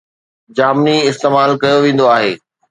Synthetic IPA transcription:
d͡ʑaːmniɪst̪eːmaːlkɐjoʋẽːn̆d̪oaːɦeː

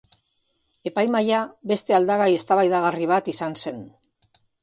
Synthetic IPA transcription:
e̞pajmajaβe̞st̪e̞ald̪aɣaje̞st̪aβajðaɣ̞ariβ̞at̪isanse̞n

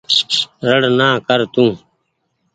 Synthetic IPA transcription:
ɾəɽnãːkəɾt̪ũː

